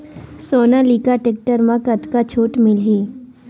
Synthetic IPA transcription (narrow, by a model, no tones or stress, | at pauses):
soːnaliːkaʈek̚ʈəɾmãkət̪kat͡ʃʰoːʈmɪlɦiː